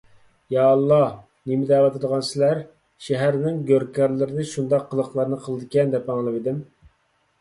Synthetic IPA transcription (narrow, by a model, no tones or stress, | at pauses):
jɑːlˠːɑ | nemɪd̪ɛwɑt̪ʰɨd̪əʁɑnsɪlæɾ | ʃɛɦæɾnɪŋɡʲøɾkʲɑɾlˠɪɾɪnɛʃund̪ɑqʰːəlˠəχlˠɑɾnɨqʰəlˠɨd̪ɨkʲɛnd̪ɛpɑŋlˠɨvid̪ɪm